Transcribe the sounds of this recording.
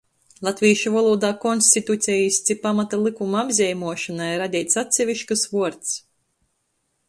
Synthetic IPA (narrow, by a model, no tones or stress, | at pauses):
lˠat̪vʲiːʃuvalˠuːd̪aːkɔnsʲt̪ʲit̪ut̪sʲɛjisʲt̪sʲipamat̪alˠikumaabzʲɛjmuɔʃanajɾad̪ʲiːt̪sat̪ʲsʲɛvʲiʃkɨsvuɔɾt̪s